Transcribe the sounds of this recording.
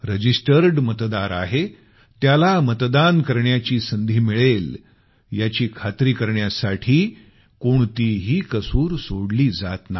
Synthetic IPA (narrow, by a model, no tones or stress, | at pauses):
ɾəd͡ʑisʈəɾɖmət̪d̪aɾa̰ɦe | t̪jalamət̪d̪ankəɾɳjat͡ɕiːsənd̪ʱiːmiɭel | jat͡ɕiːkʰat̪ɾiːkəɾɳjasaʈʰiː | koɳt̪iɦiːkəsuːɾsoɽliːd͡zat̪na̰